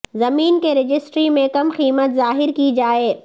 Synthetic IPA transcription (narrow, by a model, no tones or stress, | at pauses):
zɐmiːnkeɾɪd͡ʒɪsʈɾimẽkɐmxiːmət̪zaːɦɪɾkid͡ʒaːeː